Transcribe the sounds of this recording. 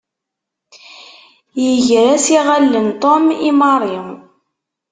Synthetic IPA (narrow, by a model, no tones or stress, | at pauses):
jəʝɾæsiʁælːənt̪ˤɔmimɑɾˤi